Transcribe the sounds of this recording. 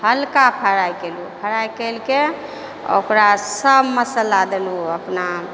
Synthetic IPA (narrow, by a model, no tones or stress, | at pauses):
həlkapʰəɾajkelupʰəɾajkelke | o̰kɾasəbməsəlad̪eluəpna